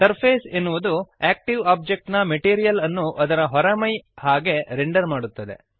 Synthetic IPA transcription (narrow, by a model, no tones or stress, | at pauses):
t̪ɐɾpʰeːsenːuʋud̪ueːk̚ʈiʋaːb̚d͡ʒek̚ʈnɐmeʈiːɾijɐlɐnːuʔɐd̪ɐɾɐɦɔɾɐmɐjhaːɡe̞ɾeɳɖɐɾmaːɽut̪ːɐd̪ḛ